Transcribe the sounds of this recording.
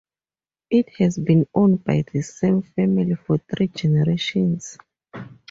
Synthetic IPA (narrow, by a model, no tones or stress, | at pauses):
ʔit̚hɛzbĩnõnbajðɨsẽmfɛmilifɔθɹid͡ʒɛnɛɹeʃɔ̃ns